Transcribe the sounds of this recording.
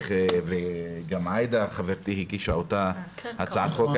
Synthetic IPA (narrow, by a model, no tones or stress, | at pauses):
χveɡamajd̪aχaveɾt̪ihikiʃaot̪ahat͡saat̪χok